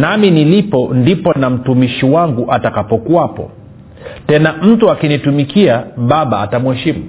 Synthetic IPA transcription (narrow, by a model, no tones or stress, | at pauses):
naminilipɔndipɔnam̩tumiʃiwaŋɡuʔatakapɔkuapɔ̰ | tɛnam̩tuakinitumikiaɓaɓaːtamuhɛʃimu